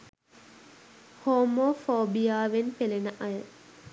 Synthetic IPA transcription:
hoːmoːfoːbijaːʋenpelenəʔajə

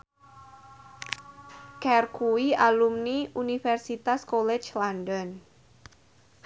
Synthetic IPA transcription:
kɛrkʰuialumniʔunifɛrsit̪askolɛt͡ʃlandɔn

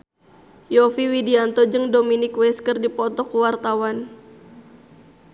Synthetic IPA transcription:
jɔfiwidiant̪ɔd͡ʒɨŋdominɪkwɛskərdipɔt̪ɔkuwart̪awan

